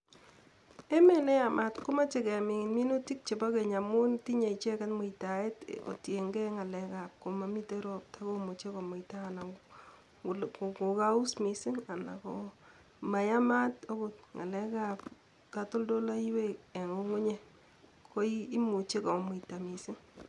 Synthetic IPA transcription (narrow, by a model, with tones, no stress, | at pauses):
e˦me˨nɛ˦ja˨mʔa˦tko˦ma˦t͡ʃe˦kɛ˨mɪ˨ŋɪ˨nmi˦nu˦ti˦k̚t͡ʃe˨ba˦ke˨ɲa˨mʊ˦nti˦ɲe˨i˨t͡ʃe˦ka˦tmʊ˨ita˨e˦to̰˨tje˨ŋɡɛ˦ŋa˨lɛ˦ka˨p̚ko˨ma˨mi˦te˦ɾo˦p̚tʰa˦ko˦mu˨t͡ʃe˦kɔ˨mo˨ita˦na˨ | ko˨ka˦ʊ˦smi˨sɪ˦ŋa˨na̰˨ko | ma˨ja˦ma˦to˦kʊ˨t̚ŋa̰˨lɛ˦ka˦p | ka˨tʊ˦ldo˦la˦i˦we˦e˨ŋo˦ŋʊ˦ɲe˦ | ko˦iː˦mu˨t͡ʃe˦kɔ˨mʊ˨ita˨mi˨sɪ˦ŋ